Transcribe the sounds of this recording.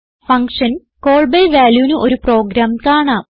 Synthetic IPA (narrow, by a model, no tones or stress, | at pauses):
fɐŋkʂɐn | ko̞ːɭbɐjʋaːljuːnɨʔo̞ɾupro̞ːɡɾaːmkaːɳaː